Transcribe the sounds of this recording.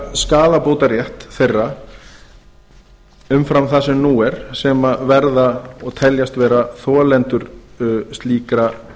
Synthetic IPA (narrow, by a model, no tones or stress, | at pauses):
skaːlapoːwt̪aɾjɛht̪θejrːa | ʏmfɾamθasɛmnuːɛɾ̥sɛmavɛɾðaɔɣt̪ʰɛljast̪vɛːɾaθɔlɛnt̪ʏɾst̪liːkɾa